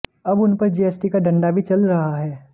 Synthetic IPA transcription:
ɐbʊnpɐɾd͡ʒeːɛːsʈikaɖɐ̃ɳɖabʱit͡ʃɐlɾɐɦaɦɛː

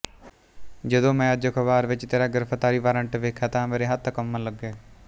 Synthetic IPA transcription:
d͡ʒəd̪õːmɛ̃ːəd͡ʒəkʰəʋaːɾʋɪt͡ʃt̪eːɾaːɡəɾpʰət̪ːaːɾiːʋaːɾəɳʈʋeːkʰaːt̪ãːmeːɾeːɦət̪ʰːəkəmːənləɡeː

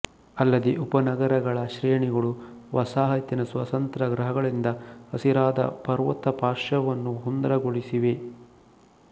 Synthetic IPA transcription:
ɐlːɐd̪eʔupɐnɐɡɐɾɐɡɐɭɐʃɾɛjɐɳiɡɐɭuʋɐsaːɦɐt̪jɐnɐsʋɐt̪ɐnt̪ɾɐɡɾɐɦɐɡɐɭind̪ɐhɐsiɾaːd̪ɐ̰pɐɾʋɐt̪ːɐpaːɾʂɐʋɐnːuɦund̪ɐɾɐɡoɭisiʋe

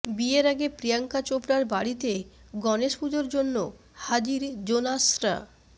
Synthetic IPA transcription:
bieɾaɡepɾijaŋkat͡ɕopɾaɾbaɽit̪e | ɡɔneʃpud͡ʑoɾd͡ʑonːo | had͡ʑiɾd͡ʑonasɾa̰

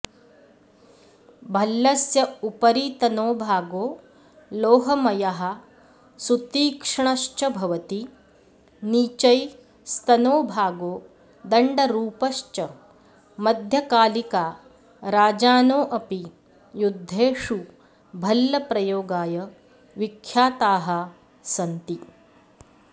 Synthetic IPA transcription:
bʱɐlːɐsjɐupɐɾiːt̪ɐnoːbʱaːɡoː | loːɦɐmɐjɐɦɐ̆ | sut̪iːkʂɐɳɐʃt͡ʃɐbʱɐʋɐt̪i | niːt͡ʃɐj | st̪ɐnoːbʱaːɡoː | d̪ɐɳɖɐɾuːpɐʃt͡ʃɐ | mɐd̪ʱjɐkaːlikaː | ɾaːd͡ʒaːnoːʔɐpi | jud̪ʱːeːʂu | bʱɐlːɐpɾɐjoːɡaːjɐ | ʋikʰːjaːt̪aːɦɐ̆ | sɐnt̪i

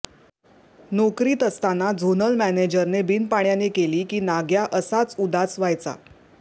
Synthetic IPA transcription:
nɔkɾiːt̪əst̪anad͡zʱonəlmæned͡ʑəɾnebinpaɳ̃janekeliːkiːnaɡjaʔəsat͡sud̪at͡sʋajt͡sa̰

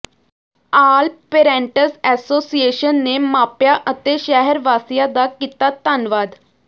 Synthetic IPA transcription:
aːlpeːɾɛ̃ːɳʈəsɛːsoːsieːʃənːeːmaːpjaːʔət̪eːʃɛɦəɾʋaːsijaːd̪aːkiːt̪aːt̪ənʋaːd̪

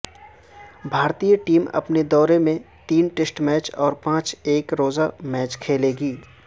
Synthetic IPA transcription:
bʱaːɾt̪ijəʈiːmɐ̰pned̪ɔːɾemẽ | t̪iːnʈesʈmɛːt͡ʃɔːɾpãːt͡ʃeːkɾoːzamɛːt͡ʃkʰeːleːɡiː

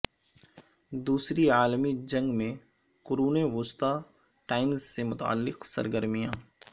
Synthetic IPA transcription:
d̪uːsɾiaːlmid͡ʒɐ̃ŋɡmẽ | qʊɾuːneʋʊst̪a | ʈaːɪmzsemʊt̪a̰a̰lːɪqsɐ̰ɾɡəɾmijãː

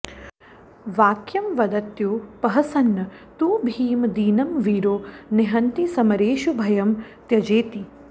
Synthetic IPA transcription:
ʋaːkjɐmʋɐd̪ɐt̪joːpɐɦɐsɐnːɐ | t̪uːbʱiːmd̪iːnɐmʋiːɾoːneɦɐnt̪isɐmɐɾeːʃubʱɐjɐmt̪jɐd͡ʒeːt̪i

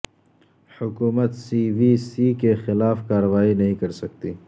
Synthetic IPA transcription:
hʊkuːmət̪siːʋisikexɪlaːfkaːɾəʋaːinɐɦĩkɐɾsɐk̚t̪iː

